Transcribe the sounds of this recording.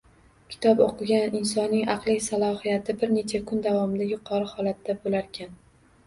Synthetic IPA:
kʲʰɪ̥t̪ʰɒpoqʰɨɡʲanɪnsɒnːɪŋɑqlˠɪsalˠɒhijat̪ʰɪbɪɾne̞t͡ʃʰakʰʊnd̪avɒmɪd̪ajʊqʰɒɾɨhɒlat̪ːabolaɾkʲʰan

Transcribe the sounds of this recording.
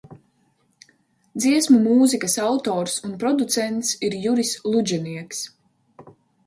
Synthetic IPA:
d̪ziɛsmumuːzikɐsawt̪ɔːɾsunpɾɔd̪ut̪sɛnt̪siɾjuɾislˠud͡ʒɛniɛks

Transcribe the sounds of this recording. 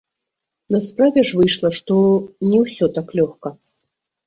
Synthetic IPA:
nɐspɾavʲɛʐvɨjʂlˠɐʂt̪ɔnʲɛwsʲɔt̪aklʲɔxkɐ

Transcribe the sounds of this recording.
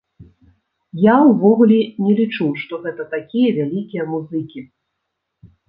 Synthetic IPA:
jawvɔɣulʲɛnʲɛlʲit͡ʂuwʂt̪ɔɣɛt̪ɐt̪akʲijɐvʲalʲikʲijɐmuzɨkʲi

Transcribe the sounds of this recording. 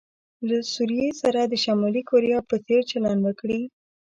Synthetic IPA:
lasuɾijesaɾad̪əʃamɑlikoɾijɑpəseɾt͡ʃalɑnwəkɽi

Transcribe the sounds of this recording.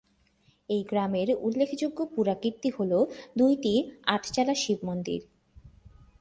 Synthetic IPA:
ejɡɾameɾulːekʰd͡ʑoɡːopuɾakiɾt̪iholod̪ujʈiaʈʰt͡ɕalaʃibmond̪ḭɾ

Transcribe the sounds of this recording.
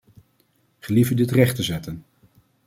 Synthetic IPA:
χəlivədɪtrɛχtəzɛtən

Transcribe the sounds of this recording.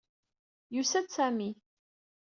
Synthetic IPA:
jusæd̪sæmi

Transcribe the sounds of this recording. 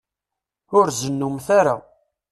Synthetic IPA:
ʊɾzənːumθaɾa̰

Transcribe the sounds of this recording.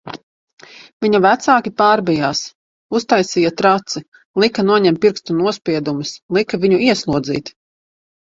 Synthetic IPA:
viɲɐvæt̪saːkʲipaːɾbijaːs | ust̪ajsiːjat̪ɾat̪si | lˠikɐnuɔɲɛmpiɾkst̪unuɔspʲiɛd̪umislˠikɐviɲuiɛslˠuɔd̪zḭːt̪

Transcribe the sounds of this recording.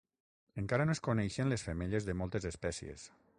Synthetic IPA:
eŋkaɾanoeskonɛjʃenlesfemeʎezðəmɔlˠt̪ezespɛsiḛs

